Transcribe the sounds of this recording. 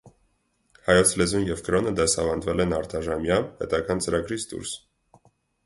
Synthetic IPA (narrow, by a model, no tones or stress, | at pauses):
hɑjɔt͡sʰlɛzunjɛvkɾɔnəd̪ɛsɑvɑnd̪vɛlɛnɑɾt̪ʰɑʒɑmjɑnhɛ̰t̪ɑɡɑnt͡səɾɑɡɾit͡sʰd̪ṵɾs